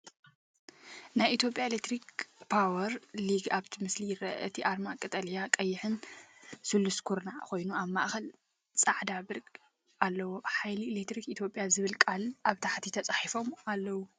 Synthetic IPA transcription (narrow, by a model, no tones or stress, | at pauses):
najʔit̪ʰjo̞pʼjaelek̚t̪ʰɾikpʰawɐɾliɡaβt̪ʰimɨslijɪɾɐ̰ʔɨt̪ʰiʔaɾmakʼɨt̪ʼɐljakʼɐjːɪħɨnsɨlːuskʰuɾnaʕxo̞jnuaβma̰ʔxɐl | t͡sʼaʕd̪abɨɾkʼ | ʔalːɐwo̞ħajlielekt̪ɾikit̪ʰjo̞pʼjazɨβɨlkʼalʔaβt̪ʰaħt̪ʰit̪ʰɐt͡sʼaħifo̞malːɐwu